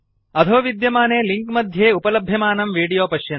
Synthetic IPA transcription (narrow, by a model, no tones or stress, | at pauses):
ɐd̪ʱoːʋid̪jɐmaːneːliŋkmɐd̪ʱjeːupɐlɐbʱjɐmaːnɐmʋiːɽijoːpɐʃjɐn